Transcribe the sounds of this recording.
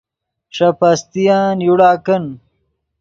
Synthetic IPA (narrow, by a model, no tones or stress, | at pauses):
ʂɐpɐst̪ijaːnjuɽaːkɐn